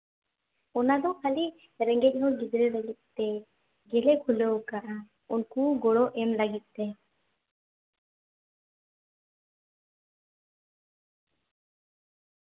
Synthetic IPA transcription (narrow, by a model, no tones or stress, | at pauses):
ɔnad̪ɔkʰali | ɾɛŋɡɛc̚ˀɦɔɡid̪ɾɛlaɡit̪̚ˀt̪ɛ | ɡɛlɛkʰulɛwkaʔa | unkuɡɔɽɔʔɛmlaɡit̪̚ˀt̪ɛ